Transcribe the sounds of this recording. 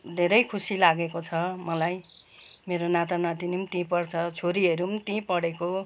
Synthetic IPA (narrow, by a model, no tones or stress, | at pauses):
d̪ʱeɾʌjkʰusilaɡekot͡sʰʌmʌlajmeɾonat̪anʌt̪inimt̪ĩpʌrt͡sʰʌt͡sʰoɾiʌɾumt̪ĩpʌɽeko